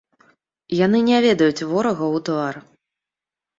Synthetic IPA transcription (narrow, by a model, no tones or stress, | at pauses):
jan̪ɨnʲavʲɛd̪ɐjut͡sʲvɔɾɐɣɐwt̪var